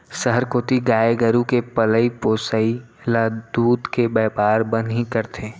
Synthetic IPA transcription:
sɐɦəɾkoːt̪iɡaːeɡəɾukepɐləipoːsəilad̪uːd̪kebɛːpaːɾbənɦikɐɾt̪ʰeː

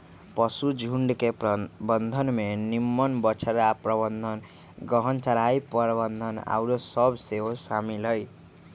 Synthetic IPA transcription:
pʌsud͡zʱuɳɖkepbʌnd̪ʱʌnmenimːʌnbʌt͡sʰaɾaprʌbʌnd̪ʱʌn | ɡʌɦʌnt͡saɾajpʌɾbʌnd̪ʱʌna̰wɾosʌbseɦosamilʌj

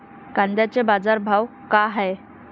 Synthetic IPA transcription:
kãnd̪jat͡ɕebad͡zaɾbʱaʋ | kaɦaj

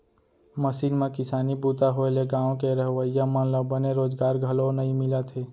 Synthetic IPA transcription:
məsiːnmẽkɪsaːnibuːt̪aɦoeleɡãːõkeɾəɦʋəijamə̃nləbəneɾoːzɡaːɾɡʱəlonəɦĩmɪlat̪ʰeː

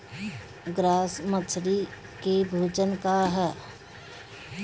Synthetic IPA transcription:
ɡɾaːsmət͡ʃʰɾi | kebʱuːd͡ʒənkaɦɛː

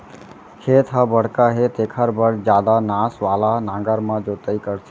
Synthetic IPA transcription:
kʰeːt̪ʰɦabəɽ̤kaɦet̪eːkʰəɾbəɽd͡ʒjaːd̪anaːsʋaːlanãːɡəɾmãd͡ʒot̪əikəɽt̪ʰe

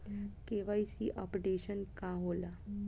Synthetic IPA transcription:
keʋajsiʔɔpɖeɕənkaɦola

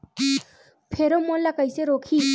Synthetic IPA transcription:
pʰeɾomolakəjseɾokʰi

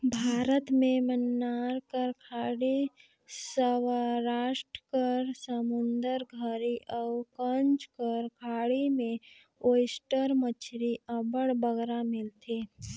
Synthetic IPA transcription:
bʱaːɾət̪mẽmənːaːɾkəɾkʰaːɽi | səwaɾaːʃʈəkəɾsəmʊnd̪əɾɡʱəɾiʔəʊkənt͡ʃkəɾkʰaːɽimẽ | oːɪsʈəɾmət͡ʃʰɾiʔəbəɽbəɡɾamɪlt̪ʰi

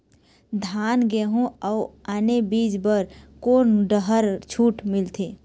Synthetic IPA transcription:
d̪ʱaːnɡeɦũauanebiːd͡ʒbəɾkoːnɖəɦəɾt͡ʃʰuːʈmɪlt̪ʰe

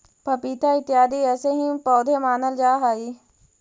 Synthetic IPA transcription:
pɐpiːt̪aɪt̪ːjaːd̪iɛːseɦĩpɔːd̪ʱemaːnəld͡ʒaːɦaːiː

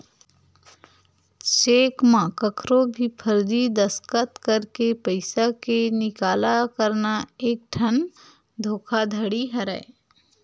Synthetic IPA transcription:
t͡ʃeːkmãkəkʰɾõbʱipʰəɾd̪id̪ɐskət̪kəɾkepəɪsakenɪkaːlakəɾnaeːk̚ʈʰən | d̪ʱoːkʰad̪ʱəɽiɦɐɾɛ̰e

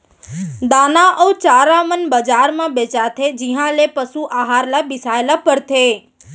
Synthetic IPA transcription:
d̪aːnaʔəut͡ʃaɾamənbəd͡ʒaɾmãbet͡ʃat̪ʰed͡ʒiɦãlepəsuʔaɦaɾlabɪsaelapəɾt̪ʰe

